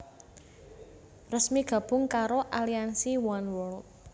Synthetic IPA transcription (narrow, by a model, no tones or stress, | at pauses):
rəsmiɡ̥ä̤b̥ʊŋkaɾoʔaliansiwɔnwɔlt̪̚